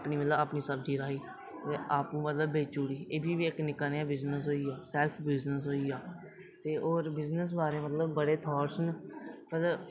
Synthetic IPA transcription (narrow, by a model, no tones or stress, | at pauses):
pniːmət̪ləbaːpnĩːsəb̚d̪iːɾaːiː | t̪eːaːpũːmət̪ləbːeːt͡ʃuːɽiːeːbʱiːbiːɪknɪkaneãːbɪznəs̬ɦoːiːaːsɛːlpʰbɪznəsɦoːiːaː | t̪eːʔoːɾbɪznəs̬baːɾeːmət̪ləbːəɽeːt̪ʰɔːɾsənmət̪ləb